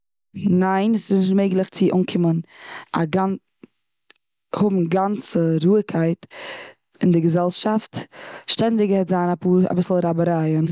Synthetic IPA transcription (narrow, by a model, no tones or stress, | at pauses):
naɪnsɪsnɪʃtmeɪɡlˠɪχt͡sɪʔuŋkʰɪməna̰ɡan | hʊbm̩ɡant͡səɾuːəkʰaɪt | ɪndɪɡəzɛlˠʃaftʃtɛndɪɡəhɛtzaːnapuːɾa̰bɪsl̩ˠɾabəɾaɪən